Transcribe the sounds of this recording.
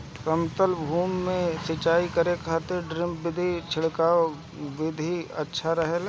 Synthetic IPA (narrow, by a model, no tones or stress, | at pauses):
kəmt̪əlbʱuːmːẽsɪt͡ʃaːikəɾekʰaːt̪eɾɖɾɪ̃mːɪd̪ʱit͡ʃʰɪɽkaː | ʋɪd̪ʱiɐtːʃʰaɾəɦəl